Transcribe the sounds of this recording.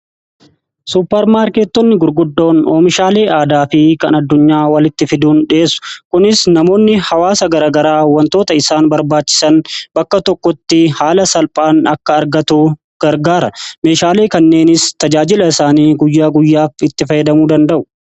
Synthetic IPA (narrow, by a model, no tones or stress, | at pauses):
suːpːɛɾmaːɾkeːt̪ːɔnːɪɡʊɾɡʊd̪ːo̞ːnoːmɪʃaːle̞ːʔaːd̪aːfɪkɐnɐd̪ːʊɲːaːwɐlɪt̪ːɪfɪd̪uːnᶑɪeːsʊ̥kʊnɪsnɐmo̞ːnːɪhɐwaːsɐɡɐɾaːɡɐɾaːwːɐnt̪o̞ːt̪ɐɪsaːnbɐɾbaːt͡ʃːɪ̥sɐnbɐkːɐt̪ɔkːɔt̪ːɪhaːlɐsɐlpʼaːnɐkːɐːɾɡɐt̪uː | ɡ̥ɐɾɡaːɾɐme̞ːʃaːle̞ːkɐnːe̞ːnɪst̪ɐd͡ʒaːd͡ʒɪlɐɪsaːniːɡʊjːaːɡʊjːaːfɪt̪ːɪfɐjɛd̪ɐmuːd̪ɐnd̪ɐʔʊ̥